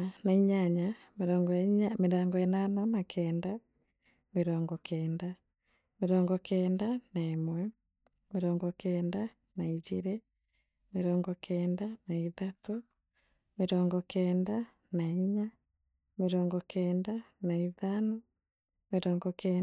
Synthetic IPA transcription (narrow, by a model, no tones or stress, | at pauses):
naiɲaɲameɾɔːŋɡɔɲameɾaːŋɡɔɛnanamakʰɛːnda | meɾɔːŋɡɔkʰɛːnda | meɾɔːŋɡɔkʰɛːndanaemwɛ | meɾɔːŋɡɔkɛːnda | naid͡ʒiɾe | meɾɔːŋɡɔkʰɛːndanaiðato | meɾɔːŋɡɔkʰɛːnda | naiɲa | meɾɔːŋɡɔkɛːndanaiðano | meɾɔːŋɡɔkɛ